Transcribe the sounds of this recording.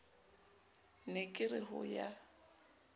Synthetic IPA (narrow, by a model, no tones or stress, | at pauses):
nɪkʼɪrɪɦʊ̰ja